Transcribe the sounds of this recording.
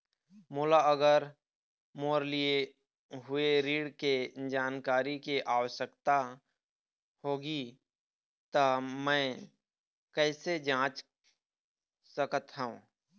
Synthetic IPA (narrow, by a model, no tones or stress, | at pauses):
moːlaəɡəɾ | moːɾlie | ɦʊeɾiːɽked͡ʒaːnkaːɾikeʔaːʋəʃəkt̪a | hoːɡi | t̪amɛ̃ː | kɛːsed͡ʒãːt͡ʃ | səkət̪ɦɛũ